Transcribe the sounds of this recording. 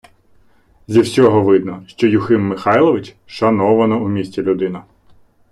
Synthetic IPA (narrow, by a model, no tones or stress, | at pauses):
zʲiwsʲɔɦɔʋɪd̪nɔʃt͡ʃɔjʊxɪmːɪxɑjlˠɔʋɪt͡ʃ | ʃɐnɔʋɐnɔumʲisʲtʲilʲʊd̪ɪnɐ